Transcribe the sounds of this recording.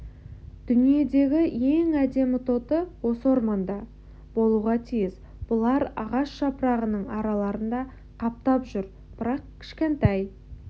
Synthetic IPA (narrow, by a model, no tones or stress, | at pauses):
d̪̥ʏnije̞d̪e̞ɡʲɪje̞ŋæd̪e̞mɪt̪ʰo̞t̪əwo̞səwo̞ɾmɑnd̪ɑ | bo̞lˠuʁɑt̪ʰijɪz | b̥ʊlˠɑɾɑ̰ʁɑʃʃɑpəɾɑʁənəɴɑɾɑlˠɑɾənd̪ɑ | qʰɑp̚t̪ɑpʒʏɾ | b̥ɪɾɑq̚kʲʰɪ̥ʃkʲe̞nt̪ɑj